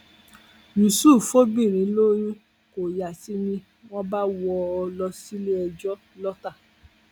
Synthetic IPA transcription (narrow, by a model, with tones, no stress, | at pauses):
jũ˨suː˦˨fo˦bi˦˨ɾ̃ĩ˨˦lo˦ɾi˦ | ko˨ja˨ti˨˦mĩ˧ | w̃ɔ̃˦ba˦wɔ˧ɔ˧lɔ˧si˦le˦ɛ˧d͡ʒɔ˦ | lɔ˦ta˦˨